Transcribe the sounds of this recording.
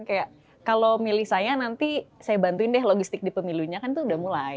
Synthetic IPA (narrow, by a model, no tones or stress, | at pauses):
kaja | kalomilɪhsajanant̪isajabant̪uɪndɛɦloɡist̪ɪk̚dipəmiluɲakant̪uːdahmula